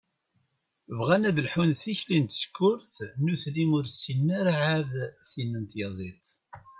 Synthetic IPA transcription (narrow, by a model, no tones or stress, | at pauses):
vʁænæðəlħunθiçlint̪skːʊɾθnuθlimʊɾsinːæɾaʕaðθinːənt̪jɑzˤit̪ˤ